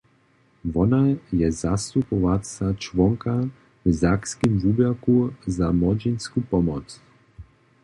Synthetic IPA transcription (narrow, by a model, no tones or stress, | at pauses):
vɔnajɛzast̪upɔvasat͡ʃvɔŋka | vzakskimvubjakuzamɔd͡ʒinskupɔmɔt̪s